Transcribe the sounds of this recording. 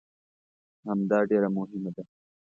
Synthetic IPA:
hɐmd̪ɑːɖeɾamʊɦɪmad̪a

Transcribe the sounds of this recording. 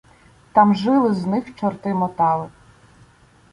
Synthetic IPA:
t̪ɑmʒɪlˠɪznɪxt͡ʃɔrt̪ɪmɔt̪ɑlˠɪ

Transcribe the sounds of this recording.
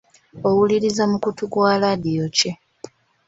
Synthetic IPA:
o̞wuliɾizamukutuɡwaladijo̞ce

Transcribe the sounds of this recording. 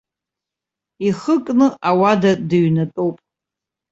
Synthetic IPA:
iχəkʼnɨawadadɨɥnatʼowpʼ

